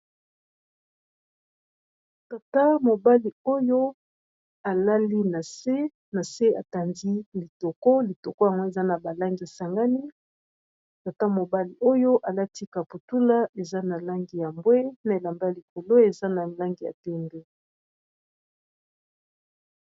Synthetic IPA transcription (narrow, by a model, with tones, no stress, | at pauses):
ta˨ta˦mo˨ba˦li˨o˦jo˦ | a˨la˦li˦na˨se˦ | na˨se˦a˨ta˨ndi˦li˨to˨kɔ˦li˨to˨ko˦ja˨ŋɡo˦e˨za˦na˨ba˨la˦ŋɡi˨ja˨sa˨ŋɡa˦ni˦ | ta˨ta˦mo˨ba˦li˨ʔo˦jo˦ʔa˨la˦ti˦ka˨pu˨tu˦la˦e˨za˦na˨la˦ŋɡi˨ja˨mbwe˦na˨e˨la˨mba˦˨li˨ko˨lo˦e˨za˦na˨la˦ŋɡi˨ja̰˨tɛ˦mbe˦